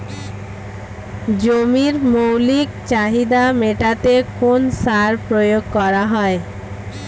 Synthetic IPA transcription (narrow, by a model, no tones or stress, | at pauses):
d͡ʑomiɾmowlikt͡ɕaɦid̪ameʈat̪ekonsaɾpɾojoɡ̚kɔɾaɦɔe